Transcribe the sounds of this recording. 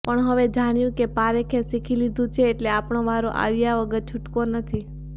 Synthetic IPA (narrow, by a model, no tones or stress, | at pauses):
pəɳɦəʋed͡ʒaɽ̃jũkepaɾekʰesikʰilid̪ʱũt͡ʃʰeːʈleapɳõʋaɾoʔa̰ʋjaʋəɡəɾt͡ʃʰʊʈkonət̪ʰi